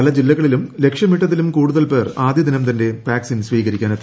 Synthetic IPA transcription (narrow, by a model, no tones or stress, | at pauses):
ɐlɐd͡ʑilːɐɣɐɭilumle̞kʂjɐmiʈːɐðilumkuːɽuðɐlpe̞ːraːd̪ʱjɐd̪inɐmt̪ɐnde̞paːksinsʋiːɣɐɾikʲːaːnɐt̪ːi